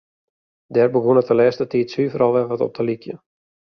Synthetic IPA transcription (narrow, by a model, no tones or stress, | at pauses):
dɛːrbəɡonətəlɛːstətiːtsyːfəɾɑlˠʋɛʋɔtɔ̰p̚dəlikjə̰